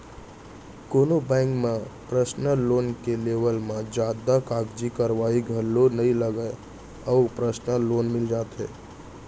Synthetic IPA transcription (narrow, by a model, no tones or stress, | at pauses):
koːnobɛ̃ːŋkmẽpɾəsnəloːnkeleːʋəlmẽd͡ʒaːd̪akaːɡd͡ʒikəɾʋaːiɡʱəlːonəɦĩləɡəe | ɔːpɾəsnəloːnmɪld͡ʒaːt̪ɦɛ̰ː